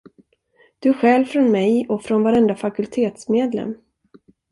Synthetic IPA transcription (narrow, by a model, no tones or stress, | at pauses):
d̪̥ɵæɧɛlvfɾɔnmɛjɔfɾɔnvaɾɛnd̪afakɵlt̪ʰeːt̪smeːd̪lɛ̰mː